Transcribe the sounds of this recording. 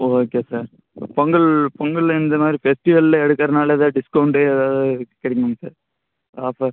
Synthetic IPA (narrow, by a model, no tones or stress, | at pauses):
oːkːeːsaːɾ | pɐŋɡɐɭpɔŋɡɐlɪnd̪ɐmaːd̪ɾifɛsʈɪʋɐllɐɛɽɯkːɐɾɐnaːlɐðãːɖɪskɐʊɳʈeːɛðaːʋðɯkɪɽɐɪkːɐŋɐsa̰ːɾ | aːfɐɾ